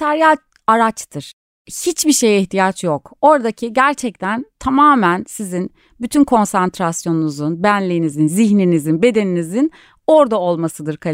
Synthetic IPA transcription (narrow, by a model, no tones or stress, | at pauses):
t̪ʰaɾijat͡ʃ | aɾat͡ʃt̪ʰɯɾ̥ | hit͡ʃbiʃe̞jiçt̪ʰijat͡ʃʰjoko̞ɾd̪acʰiɟæɾt͡ʃʰɛc̚t̪ʰænt̪ʰamaːmænsizin | byt̪ʰynkʰo̞nsant̪ɾasjo̞nunuzunbænlʲijːnizinziçninizinbe̞d̪e̞ninizin | o̞ɾd̪ao̞lˠmasɯd̪ɯɾkʰa